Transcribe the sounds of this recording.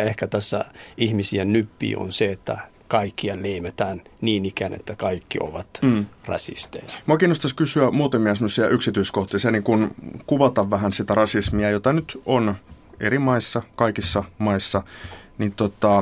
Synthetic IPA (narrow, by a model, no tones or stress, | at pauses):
ehkæt̪æsːæ̰ihmisiennypːḭːo̰nseet̪ːæ̰ | kɑikːiɑleimet̪æːnniːnikænḛt̪ːækɑikːio̰ʋɑt̪ːrɑ̰sḭst̪ejɑ̥muɑkiːnːost̪ɑskysyæmuːt̪ɑmiɑsemːosiɑʔyksit̪yiskoht̪isiɑniːŋkunkuʋɑt̪ɑʋːæɦænsit̪ærɑsismiɑjot̪ɑnyt̪on | ḛɾimɑisːɑkɑikisːɑmɑisːɑnit̪ot̪ɑ